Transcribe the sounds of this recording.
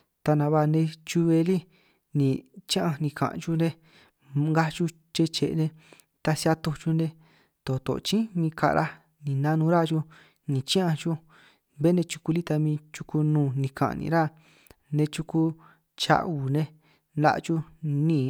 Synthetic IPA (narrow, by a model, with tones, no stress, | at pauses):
t̪a˧nã˨˧βa˧˨˧nẽ˧t͡ʃu˧βe˧li˦ | nĩ˨t͡ʃã˦ã˧nĩ˧kã̰˨ʔt͡ʃu˧nẽ˦ | ŋɡa˦t͡ʃu˧ | t͡ʃe˧t͡ʃe˨˧nẽ˧ | t̪a˧sa˧t̪o˧t͡ʃu˧nẽ˧ | t̪o˨t̪o̰˨t͡ʃĩ˦mĩ˧ka̰˧ɾʔa˦ | nĩ˨nã˦nũ˧˦ɾa˦˧t͡ʃu˧ | nĩ˨t͡ʃĩ˦ʔã˧t͡ʃu˦ | be˦nẽ˧t͡ʃu̥˧ku˧li˦t̪a˧mĩː˧t͡ʃu˧ku˧nũː˧˨nĩ˧kʰã̰˨˧nḭ̃˧ɾa˦ | nẽ˧t͡ʃu˧ku˧ | t͡ʃa̰˧ʔu˨nẽ˧ | na̰˦˧ʔt͡ʃu˧nĩː˦˧˨